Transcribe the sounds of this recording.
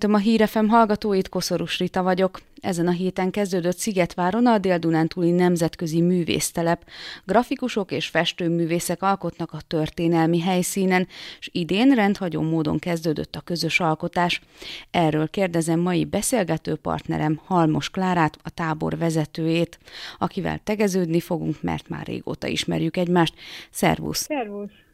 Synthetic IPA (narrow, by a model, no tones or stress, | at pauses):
t̪ømɒɦiːɾɛfɛmɦɒlɡɒt̪oːjit̪ko̞so̞ɾuʃrit̪ɒvɒɟo̞kɛ̰zɛnɒɦeːt̪ɛŋkɛzd̪øːd̪øt̪siɡɛt̪ʋaːɾo̞nɒd̪eːld̪unant̪ulinɛmzɛt̪kø̞zimyːvḛːst̪ɛlɛpɡrɒfikuʃo̞keːʃfɛʃt̪øːmyːveːsɛkɒlko̞t̪nɒkɒt̪ørt̪eːnɛlmiɦɛjsiːnɛnʃid̪eːnrɛnt̪hɒɟo̰ːmːoːd̪o̞̰ŋkɛzd̪øːd̪ø̰t̪ːɒkø̞zø̞ʃɒlko̞t̪aːʃ | ɛrːøːlkeːrd̪ɛzɛmːɒjibɛseːlɡɛt̪øːpɒ̰rt̪nɛ̰ɾɛmhɒlmo̞ʃklaːɾaːt̪ɒt̪aːbo̞̰rvɛzɛt̪øːjeːt̪ɒkivɛ̰lt̪ɛɡɛzøːd̪nifo̞ɡuŋkmɛ̰rt̪ma̰ːrːḛːɡo̰ːt̪ɒ̰ḭʃmɛ̰rjykɛɟmaːʃt̪sɛ̰rvṵsɛrvus